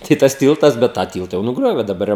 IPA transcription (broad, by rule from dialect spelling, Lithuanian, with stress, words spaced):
ˈtɐɪ tɐs ˈtʲiːlˠtɐs ˈbʲɛt tɑː ˈtʲiːlˠtɐ jɛʊ nʊˈɡrʲoːʋʲeː dɐˈbɐr jɛʊ